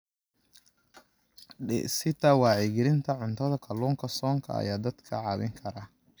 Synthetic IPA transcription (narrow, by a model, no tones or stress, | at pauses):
ɪ̰sɪt̪ɐwɑːʕɪɡɪɾɪnt̪ʰɐʕʊnt̪ʰɐðɐkʰɐluːŋkʰɐsɔːŋkʰɐ̰ɐ̰jaːd̪ɐd̪kʰɐʕɑːβɪŋkʰɐɾɐ